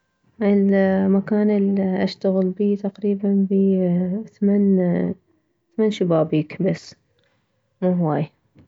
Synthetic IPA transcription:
ʔəlmakaːnəliʔaʃt̪aɣəlbiːt̪aqɾiːbanbiθman | θamanʃɪbaːbiːkbasː | muːɦwaːj

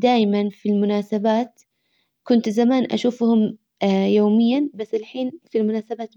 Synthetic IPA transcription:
d̪aːjmanfilmʊnaːsabaːt̪ | kʊnt̪zamaːnʔa̰ʃuːfhʊm | joːmɪjːanbasːɪlħiːnfilmʊnaːsabaːt̪

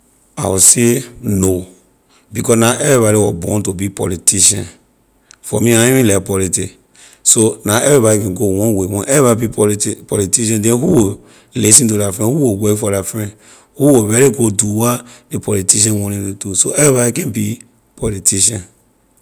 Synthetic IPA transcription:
a̰wuseno | bikɔsnaʔɛvibaɾiwɔbɔ̰̃ntobipɔ̰litiʃã̰n | fɔmĩaĩmĩlɛkpɔliti | sonaɛvibaɾikɛ̃nɡowɔ̃nwewɔ̃nʔɛvibaibipɔlitiʃ̬ãndɛ̃nhuwo | lis̬ĩntulafɹɛ̃nhuwowekfɔlafɹɛ̃ | huwowɛɾeɡoduwadepʰɔlitiʃ̬ãwɔ̃nĩutusoɛvibaɾikɛ̃nbi | pɔlitʰiʃãn

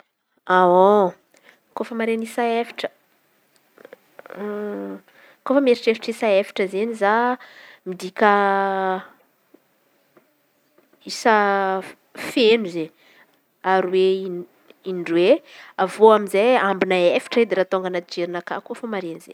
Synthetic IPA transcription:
ao | kofəmaɾenisaefi̥ʈ͡ʂə̥ | kofəmeɾiʈ͡ʂefi̥ʈ͡ʂisaefi̥ʈ͡ʂəzeniza | mid̪ikʲə | isə | fenuze | aɾiwei | iɳɖ͡ʐweavoaminzeambinaefi̥ʈ͡ʂəed̪eɾat̪oŋɡanat̪id͡ʒeɾinaka̰kofəmaɾeniz̥ḛ

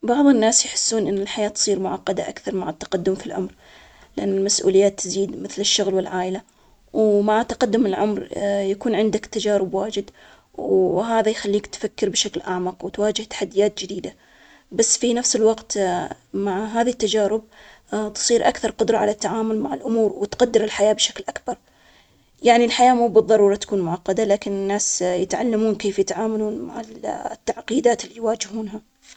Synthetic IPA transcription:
bɑʕðˤɨnːaːsjħɪ̥sːuːnʔɪnːɪlħajaːt̪sˤiːɾmʊʕɑqːɑd̪aʔakθɑɾˤmaʕɪt̪ːɑ̥qad̪ːʊmfilʕʊ̰mɾ | lɪʔanːɪlmasʔṵːlɪjːaːt̪ːɪziːd̪mɪθlɪʃːʊɣlwɪlʕaːʔla | wmaʕat̪ːaqad̪ːʊmɪlʕʊmɾjakuːnʕɪnd̪akt̪ːad͡ʒaːɾɪbwaːd͡ʒɪd̪ | wɦaːðajxalːiːkt̪fakːɪɾbʃaklʔaʕmɑqwt̪waːd͡ʒɪht̪ḁħad̪ːɪjaːt̪̚d͡ʒɪd̪iːd̪a | basːfinafsɪlwɑqt̪maʕɦaːðt̪ːad͡ʒaːɾɪb̚ | t̪ɨ̥sˤiːɾʔakθɑɾˤqʊd̪ɾˤɑʕa̰lat̪ːaʕaːmʊlmaʕɪlʔʊmuːɾwɪt̪qad̪ːɪɾɪlħajaːbʃaklʔakbɑɾˤ | jaʕnilħajaːmuːbɨðˤːɑɾˤuːɾˤɑt̪ḁkuːnmʊʕɑqːɑd̪alaːkɪnɪnːaːsjɪt̪ʕa̰lːamuːnkeːfjɪt̪ʕaːmaluːnma̰ʕa̰t̪ːaʕqiːd̪aːt̪ɪlːiːjwaːd͡ʒɪhuːnɦa

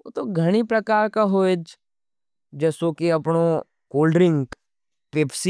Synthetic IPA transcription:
o̰t̪oɡʱɐɽ̃ipɾɐkaːɾkaɦoed͡ʒ | d͡ʒɛːsokiɐpɳo | koːlɖɾɪ̃ŋɡ | peːpsi

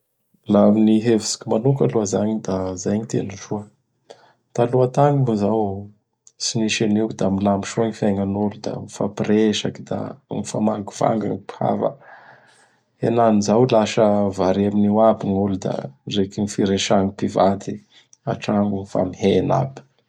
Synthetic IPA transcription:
laaminiɦevisi̥kimanukaluəzaɲid̪azajɲit̪ḛnuʐuə | t̪aluət̪aŋibuzaw | siniʃenid̪amilambiʃuaŋifaŋanulud̪a̰mifapreʃakid̪a̰ŋifamaŋɡuva̰ŋɡaŋpha̰va̰ | henanizawlaʃəvaɾiaminiwabiŋulud̪a̰rekinifiɾeʃaŋupivat̪i | a̰ʈ͡ʂaŋɡunifa̰mihena̰bi̥

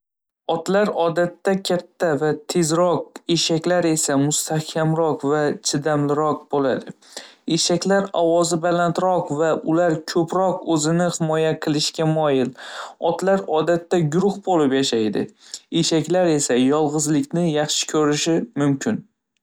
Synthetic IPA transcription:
ɒt̪laɾɒd̪at̪ːakʲʰat̪ʰːavat̪ʰe̞zɾɒq̚e̞ʃakʲlaɾe̞samʊst̪ʰahkʲʰamɾɒqvat͡ʃʰɪd̪amlɪɾɒq̚bolad̪ɪ | eʃakʲlaɾɒwɒzɪbalant̪ɾɒqvaʊlaɾkʲʰɵpɾɒqɵzɪnɪhɪmɒjaqʰɨlˠɪʃkʲamɒjɪlɒt̪laɾɒd̪at̪ːaɡʊɾʊhbolɪpjaʃajd̪ɪ̰eʃakʲlaɾe̞sajɒlˠʁɨzlɪkʲnɪjɑχʃɪ̥kʲʰɵɾɪʃɪmʊmkʲɪn

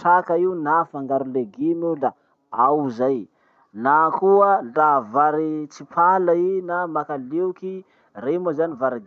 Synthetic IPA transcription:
ʈ͡ʂakainafaŋɡaɾuleɡinula | awzaj | nakuədavaɾit͡sipalainamakalewki | remazanivaɾiɡ

